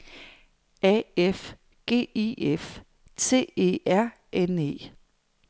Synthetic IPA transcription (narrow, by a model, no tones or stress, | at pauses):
ɛef | ɡ̥e̝̰ːief | t͡sʰe̝̰ːe̝̰ːæɐ̰ | ʔene̝̰ː